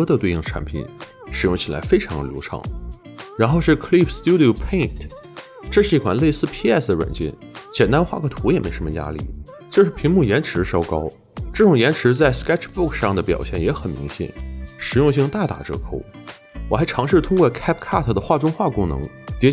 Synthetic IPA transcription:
ɤ˥d̪ə˨˧t̪we˥˧ɪi˥˩ŋʈ͡ʂʰa̰˧˥npʰḭ˨˩˦n | ʂɻ̩˨˩jʊ˥˩ŋt͡ɕʰi˨˩la̰˧˥ɪfe˥ɪʈ͡ʂʰɑ˧˥ŋd̪ə˧ljo˧˥ʊʈ͡ʂʰɑ̰˧˥˦ŋ | ɻa˧˥nxo˥˧ʊʂɻ̩˥˩kʰli˥˩pʰst̪ju˥d̪i˨˩˨pʰe˥˩ɪntʰ | ʈ͡ʂɤ˥˧ʂɻ̩˥˧i˥˩kʰwa˨˩nle˥˩ɪsɹ̩˥˧pʰi˥ɛ˥˩sd̪ə˩ɻwə̰˨˩nt͡ɕjɛ̰˥˩nt͡ɕjɛ˨˩nt̪a˥nxwa̰˥˩kʰɤ˥˩t̪ʰu˧˥jɛ˨˩me˧˥ʂə˧˥mə˧ja̰˥lḭ˥˩ | t͡ɕjo˥˧ʂɻ̩˥pʰi˧˥ŋmu˥˩jɛ˧˥nʈ͡ʂʰɻ̩˧˥ʂɑ˥ʊkɑ˥ʊ | ʈ͡ʂɤ˥˩ʈ͡ʂʊ˨˩ŋjɛ˧˥nʈ͡ʂʰɻ̩˧˥t͡sa˥˩ɪskɛ˥ʈ͡ʂʰbu˥˩kʰʂɑ˥˩ŋd̪ə˩pjɑ̰˨˩ʊɕjɛ˥˩njɛ˧˥xə˨˩nmḭ˧˥ŋɕjɛ̰˨˩˦nʂɻ̩˨˩˥jʊ˥˧ŋɕ̬i˥˧ŋt̪a˥˩t̪a̰˨˩ʈ͡ʂɤ̰˥˩kʰo˧˩ʊ | wɔ˨˩xa˧˥ɪʈ͡ʂʰɑ˧˥ŋʂɻ̩˥˩t̪ʰʊ˥ŋkwɔ˥˧kʰɛ˥pkʰa˥˩t̪ʰə˩d̪ə˩xwa˥˩ʈ͡ʂʊ˥ŋxwa˥˩kʊ˥ŋnɤ̰˧˥ŋ | t̪jɛ˧˥

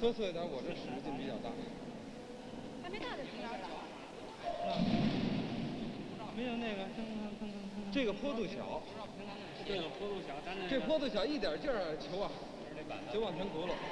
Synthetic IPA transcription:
t̪o˥sʰwe˥˩˥t̪a˧˥wɔ˨˩ʈ͡ʂə˥˩ʂɻ̩˧˥˧t͡ɕjo˥˩ŋpi˧˥˩t͡ɕjɑ˥˩ʊt̪a̰˥˩˥ | a˥˩˥ | me˧˥ɪjo˨˩ʊne˥˩ɡə˩˥ | ʈ͡ʂɤ˥˩ɡə˩pʰwɔ˥t̪u˥˩ɕjɑ̰˨˩˦ʊ˨˩˧ | pʰɔ˥tu˥˩jʈ͡ʂɤ˥˩ɡəpʰɔ˥t̪u˥˩ɕjɑ˧˥ʊi˥˩t̪̬jə˨˩t͡ɕjə˥˩˥t͡ɕʰjo˧˥ʊɐ˨˩ | t͡ɕjo˧˥wɑ˨˩ŋt̪ʰjnt̪u˧˥lə˨

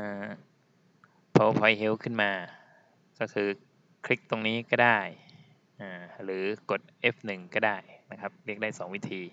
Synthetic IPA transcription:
ʔaː˧˩ | pʰɔ˦˥wpʰɔ˧jɦe˦˥wkʰɯ˥˩nmaː˧ | kɔ˥˩kʰɯː˧ | kʰɾi˦˥k̚t̪o˧ŋniː˦˥kɔː˥˩daː˥˩j | ʔaː˨˩ɾɯː˩˦ko˨˩t̪̚ʔe˦˥p̚nɯ˨˩ŋkɔː˥˩daː˥˩jna˦˥kʰa˦˥p̚ɾi˥˩ək̚daː˥˩jsɔː˩˦ŋwi˦˥t̪ʰiː˧

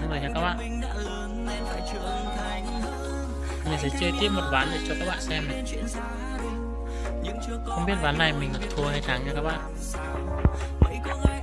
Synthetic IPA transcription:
ɨ˨˧˦ŋzəː˨˩ɲaː˧kaː˦˥k̚ɓa̰ː˧˨n̰ː˧ | a̰˧˨t͡ɕə˧ | mi̟˨˩sɛ̰˧˥t͡ɕe˧t̪i˦˥əp̚mo˨˩t̚vaː˨˦nɗe˨˩t͡ɕɔ˧kaː˦˥k̚ɓa̰ː˧˨nsɛ˧m̰˨˩˧ | ɨ̰˧˥ŋ˧xə˧wŋ͡mɓi˦˥ət̚ɓaː˨˦nːa˨˩jmï̟˨˩z̰t̪ʰu˨˧˩əha˧jt̪ʰaː˨˦ŋɲaː˧kaː˦˥k̚ɓa̰ː˧˨n˧˨˧

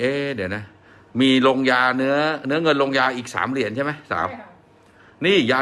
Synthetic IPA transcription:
ʔeː˧˩di˩˦ɐna˦˥˩ | miː˧lo˧ŋjaː˧nɯ˦˥ɐnɯ˦˥ɐŋɤ˧nlo˧ŋjaː˧ʔiː˨˩k̚sa̰ː˩˦mɾi˨˩˦ənt͡ɕʰa˥˩ma˦˥˩sa̰ː˩˦w | niː˥˩jaː˧

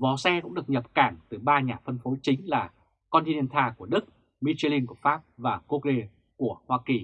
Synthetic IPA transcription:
vɔ˨˦sɛ˧kʊ̰˧˥ŋ͡mɗɨ˨˩ək̚ɲə˨˩p̚kaː˧˩nt̪ɨ˨˩ɓaː˧ɲaː˨˩fə˧nfo˨˦t͡ɕï˨˦ŋ̟laː˨˩ | kɔ˧nt̪i˧i˧nt̪ʰaː˧ku˧˩əɗɨ˦˥k̚ | mi˧t͡ɕi˧li˧nku˧˩əfaː˦˥p̚vaː˨˩ku˦˥k̚le˧ | ku˧˩əhwaː˧ki˨˩

